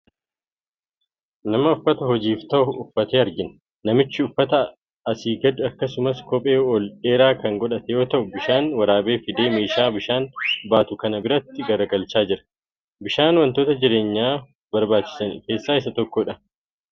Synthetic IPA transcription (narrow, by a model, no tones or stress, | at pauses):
nɐmɐʊfːɐt̪ɐɦɔd͡ʒiːft̪ɐʔʊfːɐt̪eːɐɾɡɪn | nɐmɪt͡ʃːɪʊfːɐt̪ɐ | ɐsiːɡɐd̪ʊɐkːɐsʊmɐskɔpʼe̞ːɔleːɾaːkɐŋɡɔᶑɐt̪ɛjo̞ːt̪ɐʔʊbɪʃaːnwɐɾaːbe̞ːfɪd̪eːmeːʃaːbɪʃaːnbaːt̪ʊkɐnɐbɪɾɐt̪ːɪɡɐɾɐɡɐlt͡ʃaːd͡ʒɪɾɐ | bɪʃaːnwɐnt̪o̞ːt̪ɐd͡ʒɪɾe̞ːɲːaː | bɐɾbaːt͡ʃːɪ̥sɐnke̞ːsːaːɪs̬ɐt̪ɔkːoːᶑɐ